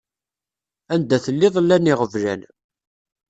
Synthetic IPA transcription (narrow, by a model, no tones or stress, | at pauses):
ænd̪æθəlːɪðˤlːænɪʁəvlæ̰n